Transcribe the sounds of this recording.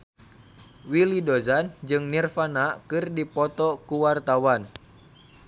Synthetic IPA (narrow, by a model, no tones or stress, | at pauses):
wilidozand͡ʒɨŋnirfanakɨrdipɔt̪ɔkuwart̪awan